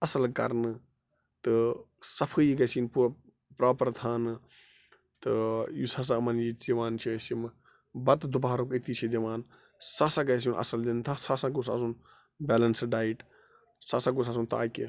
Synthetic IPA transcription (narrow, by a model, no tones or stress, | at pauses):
ɐsɐlkɐ̰ɾnɨ | t̪ɨ | sɐpʰɨjiɡɐsiːnpuɾ | pɾaːpɐɾt̪ʰaːnɨ | t̪ɨjusɐs̬aɐmɐnjid̪iʋaːnt͡ʃʰiɐsim | bɐt̪d̪ubaːɾokit̪iːt͡ʃʰid̪ʲiʋaːn | sasaɡɐs̬iunʔɐ̰sɐld̪int̪ʰasasãkusa̰sun | bɛːlɐnsɖaːiʈ | saːsãɡus̬aːsunt̪a̰ːkʲi